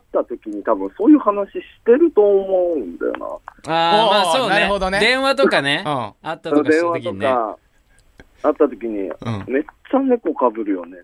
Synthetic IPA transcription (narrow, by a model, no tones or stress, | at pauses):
at̪ːat̪o̞kʲiɲ̟it̪abɯ̟̃ɰ̃so̞ːjɯ̟ːhanaɕiɕi̥t̪e̞ɾɯ̟t̪o̞ːmo̞ɯ̃nd̪a̰jo̰na̰aːmaːso̞ːaneod̪oned̪ẽ̞ɰ̃βat̪̬o̞kaneat̪ːaod̪ẽ̞ɰ̃βao̞ka | at̪ːat̪o̞kʲiɲ̟ḭ̃me̞t͡ɕːane̞ko̞kabɯ̟ɾɯ̟jo̞̰ne̞